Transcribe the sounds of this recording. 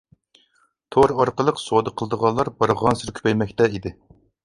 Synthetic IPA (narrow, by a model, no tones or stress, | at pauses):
t̪ʰoɾɑɾqəlˠəqsod̪əqʰəlˠɨd̪əʁɑnlːˠɑɾbɑɾʁɑnsɪɾkʲʰy̥pɛjmɛkʲt̪ɛid̪ɪ